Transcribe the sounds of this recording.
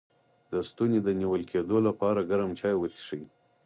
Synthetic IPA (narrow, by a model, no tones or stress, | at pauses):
d̪əst̪uned̪əniwəlkʰed̪olapɑɾaɡaɾamt͡ʃɑjwət̪i̥ʂəj